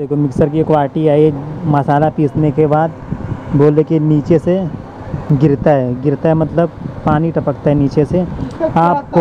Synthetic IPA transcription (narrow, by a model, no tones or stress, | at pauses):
eːkʰomɪksəɾk̬iekʋaːlʈiaːimɐsaːlapiːsnekebaːd̪boːlekiniːt͡ʃese | ɡɪɾt̪aɦɛɡɪɾt̪aɦɛmɐt̪ləb̚paːniʈɐpək̚t̪aɦɛniːt͡ʃeseaːp̚ko